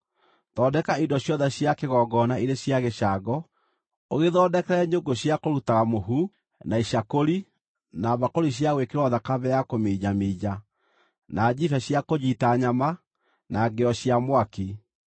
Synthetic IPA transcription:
ðɔːdɛkaindɔɕjɔðɛɕjakeɣɔɡɔnaiɾeɕjaɣeʃaɡɔ | oɣeðɔːdɛkɛɾɛɲoɡoɕjakoɾutaɣamoɦu | naiɕakoɾi | naβakoɾiɕ̬jaɣwekeɾwɔðakaβɛjakomed͡ʒameːd͡ʑa | nad͡ʑifɛɕjakod͡ʑitaɲama | naɡeɔɕjamwaki

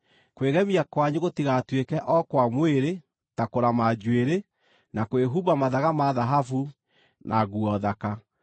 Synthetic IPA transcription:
kweɣɛmiakwaɲoɣotiɣatwekɛʔɔkwamweɾe | takoɾamad͡ʑweɾe | nakoeɦubamaðaɣamaðaɦafu | nʔa̰ɣuɔðaka

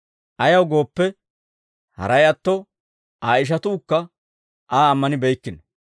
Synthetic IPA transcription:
ʔɐjɐwɡo̞ːpːɛ | hɐ̰ɾɐjɐt̪ːɔ | ʔaːɪʃ̬ɐt̪uːkːɐ | ʔaːmːɐnɪbɛjkːɪnɐ

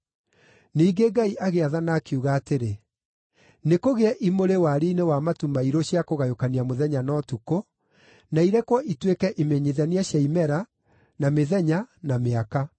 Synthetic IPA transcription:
niːɡeɡaiʔaɣeaðanakeuɣaːteɾe | nekoɣeɛʔimoɾewaɾiːnewamatumaiɾoɕjakoɣajokaniamoðɛɲanɔːtuko | naiɾɛkwɔʔitwekɛʔimeɲeðaniaɕjaimɛɾa | nameðɛɲanameaka

